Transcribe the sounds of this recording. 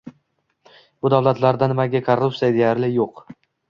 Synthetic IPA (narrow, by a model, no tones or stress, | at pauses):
bʊd̪avlat̪laɾd̪anɪmaɡʲakʰorːupsijad̪ejaɾlɪjoq